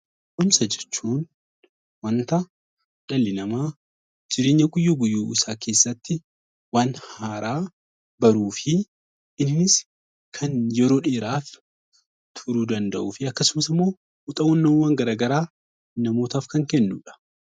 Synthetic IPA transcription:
ʔʊmsɐd͡ʒɛt͡ʃːuːn | wɐnt̪ɐ | ᶑɐlːɪnɐmaː | d͡ʒɪɾe̞ːɲːɐɡʼʊjːɐɡʊjːuːʔɪsaːke̞ːsːɐt̪ːɪ | waːnhaːɾʔaː | bɐɾuːfɪ | ɪnnɪs | kʰɐnjɛɾo̞ːᶑeːɾaːf | t̪ʰʊɾuːd̪ɐnd̪ɐʔuːfɪɐkːɐsʊmɐsɪmːo̞ː | ʊt̪ʼɐɔnːɐwaːŋɡɐɾaːɡɐɾaː | nɐmo̞ːt̪aːfkɐŋkɛnːṵːᶑɐ̥

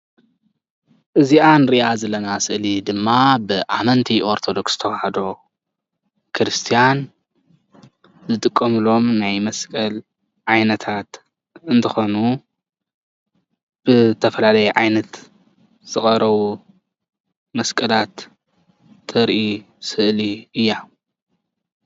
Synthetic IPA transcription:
ʔɨziʔanɾiʔazɐlɐnasɨʔlid̪ɨmːabɨʔamɐnt̪ʰiʔo̞ɾt̪ʰo̞d̪o̞ksz̥t̪ʰɐwahɐd̪o̞ | kʰɾɨst̪ʰijan | zɨt̪ʼɨkʼːɐmɨlo̞mnajmɐskʼɐl | ʕajnɐt̪ʰat̪ | ɨnt̪ʰɐxo̞nu | b̥ɨt̪ʰɐfɐlalɐjɛʕajnɐt̪ | z̥ɨxʼɐɾɐβu | mɐskʼɐlat̪ʰː | ɐɾʔi | sɨʔliɨjːa

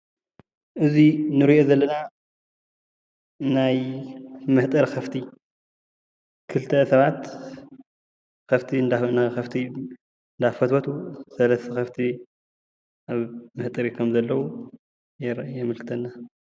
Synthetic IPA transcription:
ʔɨzinɨɾiʔozɐlːɐna | naj | mɨht̪ʼɨɾkʰɐft̪ʰi | kʰɨlt̪ʰɐsɐβat̪ | kɐft̪ʰind̪anaxɐft̪ʰi | nd̪afɐt̪wɐt̪ʰusɐlɐst̪ʰɐxɐft̪ʰi | ʔaβmɨht̪ʼɨɾikʰɐmzɐlːɐwu | jɾjɛmɨlkʰɨ̥t̪ʰɐnːa

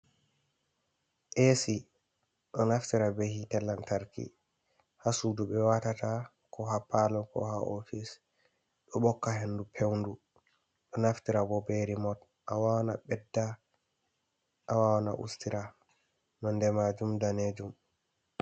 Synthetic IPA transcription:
ʔesi | ɗɔnaftiɾabehitɛlːantaɾkḭ | hasuduɓɛwatata | kɔɦapalɔkɔ̰haʔofis | ɗɔɓɔkːaɦendupʰewndu | ɗɔnaftiɾabɔbeɾimɔt | ʔawawanabɛdːa | ʔawawana̰ʔṵstiɾa | nɔndɛmad͡ʒumdaned͡ʒum

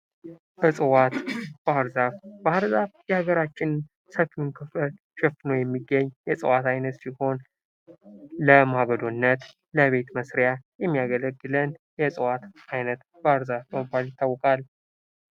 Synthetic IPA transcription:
ʔɨsʼɨwat̪b̥əaɾzaβbəhaɾzaβjɛhaɡəɾat͡ʃːɪn | səfiunkʰɨfəl | ʃɛfnəwjɛmːiɡːəɲːjɛsʼɨwat̪ajnət̪siho̞n | ləmaβəd̪onːət̪ | ləβe̞t̪məsɾjajɛmːijaɡələɡːɨlənjɛsʼɨwat̪ʔajnət̪ | b̥əaɾzafəməbaljɪt̪ːawːɔkʼal

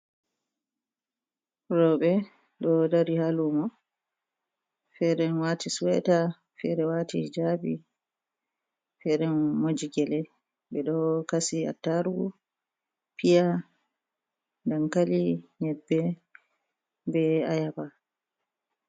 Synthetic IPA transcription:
ɾɔɓɛ | ɗɔdaɾihalumɔ | fɛɾɛnwatisuwɛ̰ta | fɛ̰ɾɛwaːtihd͡ʒabḭ | fɛɾɛnmod͡ʒiɡɛlɛ | bɛɗɔkasia̰tːaɾuɡu | pija | ndankaliɲɛbːɛ | bɛajaba

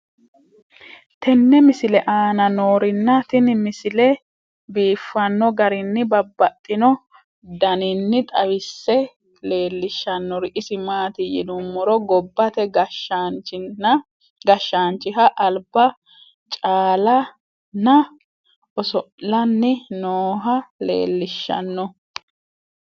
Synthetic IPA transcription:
t̪ɛnːɛmɪsɪlɛʔaːnɐnoːɾɪnːɐt̪ɪnmɪsɪlɛ | biːfːɐnːɔɡɐɾɪnːɪbɐbːɐt̪ʼːɪnɔ | d̪ɐnɪnːɪt̪ʼɐwɪsːɛ | le̞ːlːɪʃːɐnːɔɾɪʔɪsɪmaːt̪ɪjɪ̰d̪ʊmːɔɾɔɡɔbːɐt̪ɛɡt͡ʃ | ɡɐʃːaːnt͡ʃɪɦɐʔːlbɐ | t͡ʃʼaːlɐ | nɐ | ɔsɔʔlɐnːɪnoːɦɐlḛːlːɪʃːɐ̰nːɔ

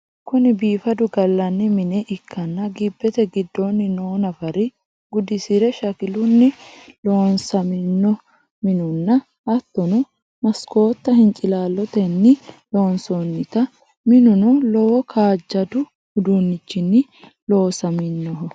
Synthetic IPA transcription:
kʊnɪbiːfɐd̪ʊɡɐlːɐnːɪmɪnɛʔɪkʰːɐnːɐɡɪbːɛt̪ɛɡɪd̪ːoːnːɪnoːnɐfɐɾɪ | ɡʊd̪ɪsɪɾɛʃɐkɪlʊnːɪlo̞ːnsɐmɪnːɔ | mɪnʊnːɐ | ɐt̪ːɔnɔ | mɐsko̞ːt̪ːɐhɪnt͡ʃʼɪlaːlːɔt̪ɛnːɪlo̞ːnsonːɪt̪ɐ | mɪnʊnʊlɔwɔkʰaːd͡ʒːɐd̪ʊ | hʊd̪unːɪt͡ʃːɪnːɪ | lo̞ːsɐmɪnːɔɦɔ

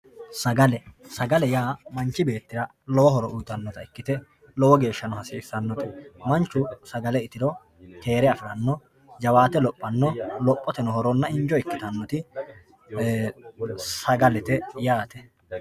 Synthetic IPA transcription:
sɐɡɐlɛsɐɡɐlɛjaːmɐnt͡ʃːɪbe̞ːt̪ːɪɾɐ | lɔwɔɦɔɾɔʔʊjt̪ɐnːɔt̪ɐɪkːɪt̪ɛ | lɔwɔɡe̞ːʃːɐnɔɦɐsiːsɐnːɔt̪ɛmɐnt͡ʃːʊsɐɡɐlɛɪt̪ɪɾɔ | k̪e̞ːɾɛɐfɪɾɐnːɔ | d͡ʒɐwaːt̪ɛlɔpʼːɐnːɔlɔpʼːɔt̪ɛnɔɦɔɾɔnːɐɪɲd͡ʒɔɪkːɪ̥t̪ɐnːɔt̪ɪ | sɐɡɐlɛt̪ɛjaːt̪ɛ

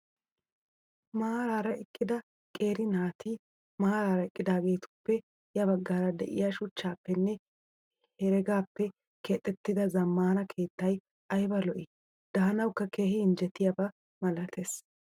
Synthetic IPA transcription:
mɐaɾaːɾɐɛkʼːɪd̪ɐ | kʼe̞ːɾɪnaːt̪iː | maaɾaːɾɐɛkʼːɪd̪aːɡe̞ːt̪ʊ̥pːɛ | jɐβɐɡːaːɾɐd̪ɛʔɪ̰jaʃʊt͡ʃːaːpːɛnːɛ | hɛɾɛɡaːpːɛ | kɛt̪ʼːɛt̪ːɪd̪ɐzɐmːaːnɐkʰe̞ːt̪ːɐj | ɐjbɐlɔʔɪ | d̪̥ɐːɐnɐwkːɐke̞ːhɪɪnd͡ʒɛt̪ːɪjɐbɐ | mɐlɐt̪ʰes

